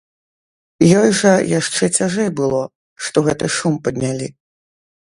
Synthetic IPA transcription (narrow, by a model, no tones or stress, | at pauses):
jɔjʐɐjaʂt͡ʂɛt͡sʲaʐɛjbɨlˠɔ | ʂt̪ɔɣɛt̪ɨʂumpɐd̪ʲnʲalʲi